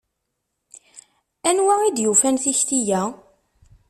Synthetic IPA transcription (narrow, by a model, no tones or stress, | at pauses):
ænwæid̪jufænθiçt̪ijæ